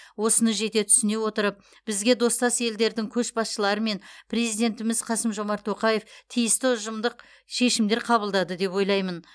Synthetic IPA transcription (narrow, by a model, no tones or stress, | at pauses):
wo̞sənəʒe̞t̪e̞t̪ʰʏ̥sɪne̞wo̞t̪əɾəp̚ | b̥ɪzɡʲe̞d̪o̞st̪ɑsje̞ld̪e̞ɾd̪ɪŋkʲʰɵʃbɑsʃəlˠɑɾəme̞npʰre̞zijd̪e̞nt̪ɪmɪz̥qʰɑsəmʒo̞mɑɾt̪ʰːo̞qɑje̞ft̪ʰijɪst̪ɪʊʒəmd̪əq | ʃe̞ʃɪmd̪e̞ɾqʰɑβəlˠd̪ɑd̪əd̪e̞pwo̞jlˠɑjmən